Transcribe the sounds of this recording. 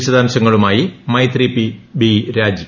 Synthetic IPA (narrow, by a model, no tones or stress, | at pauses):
ɕɐd̪ʱaːmɕɐŋːɐɭumaːjimɐjt̪ripːibiɾaːd͡ʑi